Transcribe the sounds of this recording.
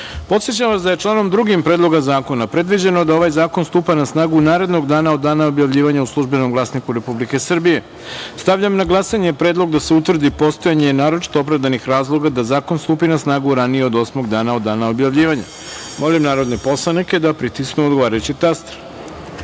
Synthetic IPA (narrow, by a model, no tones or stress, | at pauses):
po̞t̪sjet͡ɕaʋasd̪ajet͡ʂlˠaːno̞md̪ɾuɡimpɾed̪lˠo̞ɡazaːko̞napɾe̞d̪ʋid͡ʑe̞nod̪ao̞ʋajzaːko̞nst̪uːpanasnaːɡunaːɾe̞d̪no̞ɡd̪aːnaod̪ːaːnao̞bjaʋʎiːʋaɲauslˠuʒbe̞no̞mɡlˠaːsnikuɾe̞publike̞sr̩bije̞ | st̪aʋʎamnaɡlˠasaɲe̞pɾe̞ːd̪lˠo̞ɡd̪aseut̪vrd̪ipo̞st̪o̞jaɲenaːɾo̞t͡ʃi̥t̪oopɾavd̪anixɾaːzlˠo̞ɡad̪azaːko̞nst̪uːpinasnaːɡuɾanijeo̞d̪o̞smo̞ɡd̪aːnao̞d̪ːaːnao̞bjaʋʎiːʋaɲa̰ | mo̞limnaːɾo̞d̪nepo̞slˠaniked̪apɾit̪isknuod̪ɡo̞ʋaːɾajut͡ɕit̪ast̪ɾ